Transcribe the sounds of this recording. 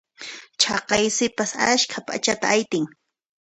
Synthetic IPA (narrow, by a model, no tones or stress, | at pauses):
t͡ʃʰɑqɑjsɪpasaʃkʰapʼa̰t͡ʃat̪aajt̪ɪŋ